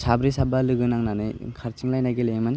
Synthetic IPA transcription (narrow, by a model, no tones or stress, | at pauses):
sabɾisabalɯɡɯnaŋnanɯjkʰaɾt͡ʃiŋlajnaɡelemani